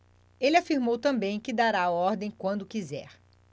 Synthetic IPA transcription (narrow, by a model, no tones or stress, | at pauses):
elafiɾmowt̪ɐ̃mbẽj̃kɪd̪aɾaɔɾd̪ẽj̃kwɐ̃nd̪ʊkizɛ̰ɾ